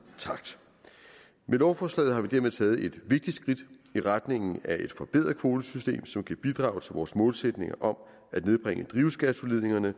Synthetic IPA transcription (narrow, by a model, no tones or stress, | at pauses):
t͡sʰɑ̈ɡ̥d̥ | melɒʊfɒːslɛ̰ɪð̩ˠɦɑ̈ʋid̥æɐmet͡sʰɛːð̞̩ˠe̝d̥ʋe̝ɡ̥̚d̥id̥sɡ̥ʁid̥iʁad̥ne̝ŋ̰n̩æe̝d̥fɒ̽b̥e̝ð̰ˠɐðˠkʰʋo̝ːd̥əsysd̥e̝̰ːmsɒ̽mkʰæb̥id̥ʁɑ̰̈ːʊt͡sʰe̝ʋɒːsmɔ̽ːlsed̥ne̝ŋɐʔɒ̽m | æd̥ne̝ð̞ˠb̥ʁeŋəd̥ʁiʊsɡ̥æt͡sʰo̝le̝ðˠe̝ŋɐnə